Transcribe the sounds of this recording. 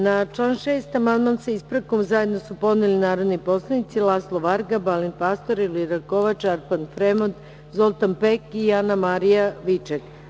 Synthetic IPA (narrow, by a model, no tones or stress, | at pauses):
nat͡ʃlˠaːnʃeːst̪amand̪mansaispɾakomzaje̞d̪no̞supo̞d̪nilinaːɾod̪nipo̞slˠanit̪silˠaslˠoʋaɾɡabalinpast̪o̞ɾiliɾakoʋat͡ʃaɾpanfɾemot̪ | zolˠt̪anpekianamaɾijaʋit͡ʃek